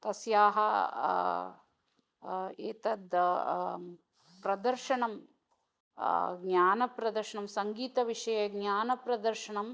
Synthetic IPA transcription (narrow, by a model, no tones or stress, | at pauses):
t̪ɐsjaːɦɐ | eːt̪ɐd̪ | pɾɐd̪ɐɾʃɐɳɐm | ɡɲaːnɐpɾɐd̪ɐɾʃɐɳɐmsɐŋɡiːt̪ɐʋiʂɐjɐɡnaːnɐpɾɐd̪ɐɾʃɐɳɐm